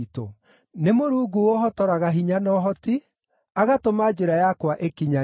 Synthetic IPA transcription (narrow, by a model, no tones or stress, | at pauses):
to | nemoɾuːɡuwoɦɔtɔɾaɣaɦiɲanɔɦɔti | aɣatomad͡ʒeɾajakwaʔekiɲa